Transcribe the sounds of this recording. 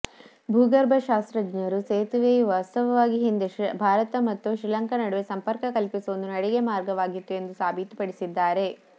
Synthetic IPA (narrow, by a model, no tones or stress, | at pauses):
bʱuːɡɐɾbʱɐʃaːst̪ɾɐd͡ʒnɐɾuseːt̪uʋeʋaːst̪ɐʋɐʋaːɡiɦind̪ebʱaːɾɐt̪ɐmɐt̪ːuʃɾilɐŋkɐnɐɽuʋesɐmpɐɾkɐkɐlpisoːnd̪unɐɽeɡemaːɾɡɐʋaːɡit̪ːue̞nd̪usaːbʱit̪u̥pɐɽisid̪ːaːɾe̞